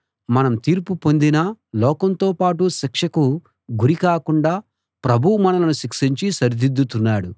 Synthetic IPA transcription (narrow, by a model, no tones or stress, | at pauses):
mɐnɐmt̪iːɾpupo̞nd̪inɐlɔːkɐnt̪oːpaːʈuʃikʂɐku | ɡuɾikaːkuɳɖaː | pɾɐbʱuwumɐnɐlɐnuʃikʂiɲt͡ʃisɐɾd̪ʱid̪ːut̪unːaːɽu